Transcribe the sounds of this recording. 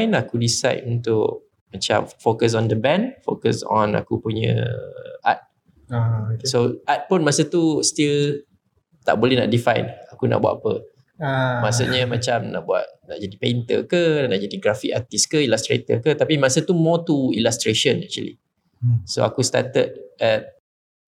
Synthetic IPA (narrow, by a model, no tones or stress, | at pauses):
jnakudisa̰tunt̪ʊʔ | mat͡ʃa̰mfokəs̬ɔnd̪əbɛ̃nfokəsɔ̰̃na̰kupuɲə̰̃ʔa̰t̪̚ | soʔat̪̚pʊnmasət̪ust̪il | t̪a̰ʔbolɛhna̰ʔdifajnakuna̰ʔbwa̰ʔ̪apə̰ | masuɲəmat͡ʃamna̰ʔbua̰t̪̚na̰ʔd͡ʒadipent̪ə̰kənaʔd͡ʒadiɡɾafikat̪iskəilast̪ɾḛt̪ə̰kət̪apimasət̪umɔt̪uilast̪ɾeʃənɛk̚t͡ʃuə̰lḭ | so̰akust̪a̰t̪ət̪̚ɛt̚